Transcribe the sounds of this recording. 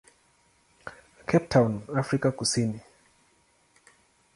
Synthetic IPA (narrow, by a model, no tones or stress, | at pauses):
kʰɛp̚tʰaunafɾikakusini